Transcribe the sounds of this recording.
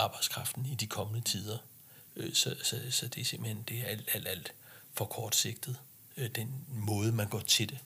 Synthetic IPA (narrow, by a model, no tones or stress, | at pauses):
ɑ̈ːb̥ɑ̈ɪ̥skʰʁɑ̈fd̥n̩id̥ikʰɒ̽mənət͡sʰiːð̞ˠɐ | sɒ̽sɒ̽sɒ̽d̥e̝se̝mb̥l̩hend̥e̝ææl̰d̥æl̰d̥æl̰d̥fɒ̽kʰɒːd̥se̝ɡ̥̚d̥ð̩ˠ | d̥enmɔ̽ːð̞ˠəmænɡ̥ɒ̰t͡sʰe̝d̥e